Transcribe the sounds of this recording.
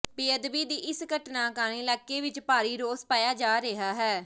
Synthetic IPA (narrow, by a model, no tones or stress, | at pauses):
piːəd̪ʋiːd̪iːʔɪsɡəʈnaːkaːnĩːlɛːkːeːʋɪt͡ʃpaːɾiːɾoːspaːjaːd͡ʒaːɾeɦaːɦɛː